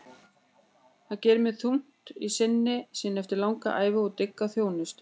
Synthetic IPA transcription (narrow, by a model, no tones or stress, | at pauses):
θaðcɛːɾʏmɛðθum̥t̪isɪnːɪsiːnɛft̪ɪɾlawŋka̰ʔaːjvʏɔɣt̪ɪkːaθjoːwnʏst̪